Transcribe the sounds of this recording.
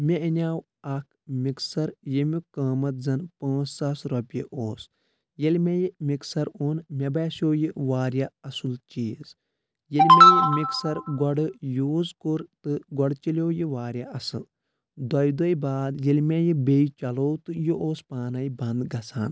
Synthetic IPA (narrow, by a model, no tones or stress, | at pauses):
mʲeinʲaːw | ɐk̚ʰmiksɐɾjemʲikɐːmɐt̪̚zɐnpãːssɐsɾɐpʲjiʔoːs | jelʲmejimiksɐɾoːnmʲɐbɛːsjoːjiʋaːɾʲjaɐsult͡ʃiːz | jelʲmʲejimiksɐɾɡɐɽɨjuːzkuɾt̪ɨɡɔɖt͡ʃilʲjoːjiʋaːɾʲjaʔɐsɨl | d̪ɐjd̪ojbaːd̪jelʲmʲejibeit͡ʃɐloːwt̪ɨjuʔoːspaːnɐjbɐ̃nd̪ɡɐsa̰ːn